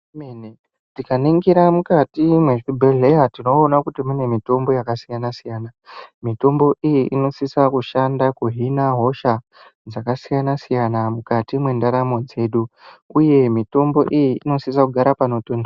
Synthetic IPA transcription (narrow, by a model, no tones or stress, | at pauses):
meni | tikaniŋɡiɾamukatimweʐibʱeɮe̞jatino̞ːnakutimune̞mito̞mbo̞jakasijanasijanamito̞mbo̞ʔijiʔino̞sisakuʃandakuɦinaɦo̞ʃa | d͡zakasijanasijanamukatimwe̞ndaɾamo̞d͡ze̞ɗuuje̞mito̞mbo̞ʔijiino̞sis̬akuɡʱaɾapano̞toːnda